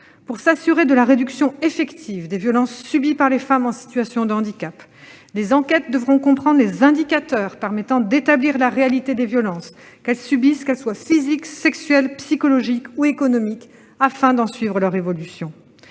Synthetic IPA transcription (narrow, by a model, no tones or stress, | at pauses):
puʁsasyʁed̪əlaʁed̪yksjɔ̃efɛkt̪ʰivd̪evjɔlɑ̃sːybipaʁlefamɑ̃si̥t̪ɥasjɔ̃d̪əɑ̃d̪ikap | lezɑ̃kʲɛt̪̚d̪əvʁɔ̃kɔ̃pχɑ̃d̪ʁlezɛ̃d̪ikat̪œːʁpɛʁmɛt̪ɑ̃d̪et̪abliʁlaʁealit̪ed̪evjɔlɑ̃s | kɛlsybiskɛlswafiziksɛksɥɛlpsikɔlɔʒikuekɔnɔmik | afɛ̃d̪ɑ̃sɥivʁəlœʁevɔlysjɔ̃